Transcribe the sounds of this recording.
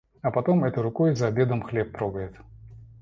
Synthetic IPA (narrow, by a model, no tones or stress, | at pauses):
ɐpɐt̪omɛt̪ʊɾʊkojzɐːbʲe̞d̪əmxlʲepːɾoɡəjɪt̪